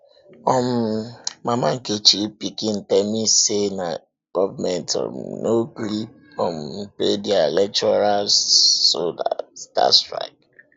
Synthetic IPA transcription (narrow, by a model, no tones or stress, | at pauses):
ɔm̩mamaŋ̩ket͡ʃipikin̩tɛmisena̰ | ɡ̥ɔvamɛntʰɔ̰mnoɡɾip̚ɔm̩pledialɛt͡ʃɔɾalsoda̰sta̰stɾa̰ɪk̚